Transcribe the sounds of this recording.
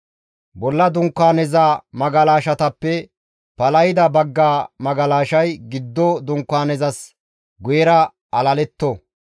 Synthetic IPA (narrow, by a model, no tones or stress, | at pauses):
bɔlːɐd̪ʊŋkːaːnɛzaːmɐɡɐlaːʃɐt̪ɐpːɛ | pɐlɐjɪd̪ɐbɐɡːaːmɐɡɐlaːʃɐjɡɪd̪ːɔd̪ʊŋkːaːnɛzɐs | ɡʊjɛɾɐ | ɐlɐlɛt̪ːo